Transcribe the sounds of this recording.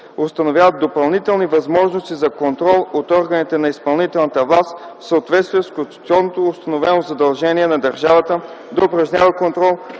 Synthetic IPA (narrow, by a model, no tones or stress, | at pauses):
ʊst̪ɐnovʲjavət̪̚d̪opɐlˠnit̪ɛlˠnivɐzmɔʒnost̪izɐkont̪ɾɔlˠot̪ɔɾɡənit̪ɛnɐispɐlˠnit̪ɛlˠnət̪əvlˠast̪fsəot̪vɛt̪st̪viɛskot̪ɔnnːot̪oːst̪ɐnovɛnozɐd̪ɐlˠʒɛniɛnɐd̪ɐɾʒavət̪ə | d̪ɐʊpɾɐʒnʲavəkont̪ɾɔlˠ